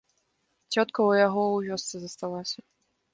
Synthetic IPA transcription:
t͡sʲɔt̪kɐwjaɣɔwvʲɔst̪sɨzɐst̪alˠasʲɐ

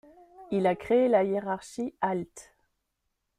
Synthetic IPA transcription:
ilakχeelajeʁaʁʃialt̪

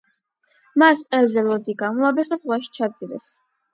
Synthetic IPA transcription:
masqʼɛlzɛlɔd̪iɡamuabɛsazʁwaʃi̥t͡ʃʰat̪sʼiɾɛ̰s

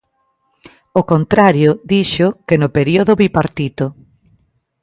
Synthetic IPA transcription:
okont̪ɾaɾjod̪iʃʊkenʊpeɾioðʊβipaɾt̪it̪o

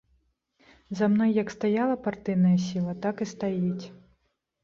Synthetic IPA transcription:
zamnɔjːɐkst̪ajalˠɐpart̪ɨjnɐjɐsʲilˠɐt̪akist̪ajit͡sʲ

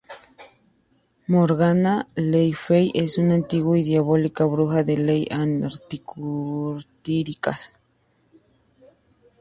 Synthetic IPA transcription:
moɾɣanalejfejʔesunant̪iɣuid̪jaβolikaβɾuxaðelejʔanaɾt̪ikuɾt̪iɾikas

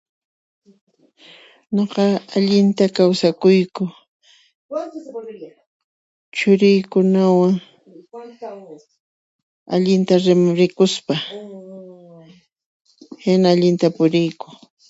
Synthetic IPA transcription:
ɲoqɑaʎɪnt̪akawsakʊjkʊ | t͡ʃʊɾɪjkʊnawaŋ | a̰ʎɪnt̪aɾɪmʊɾɪkʊspa | hɪnaːʎɪnt̪apʊɾɪjkʊ

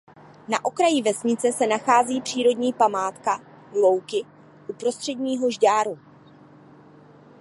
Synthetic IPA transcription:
naʔokɾajɪvɛsɲɪt͡sɛsɛnaxaːziːpr̝̥iːɾo̞dɲiːpamaːt̪ka | lo̞wkɪ | ʔupɾo̞st̪r̥ɛdɲiːɦo̞ʒɟaːɾu

